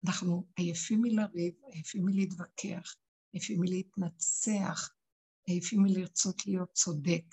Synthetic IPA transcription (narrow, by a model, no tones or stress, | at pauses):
anaχnuajafimilaʁivajafimileit̪vakʰeaχ | ajafimileit̪nat͡seaχ | ajafimiliʁt͡so̞t̪lijo̞t̪̚t͡so̞d̪ek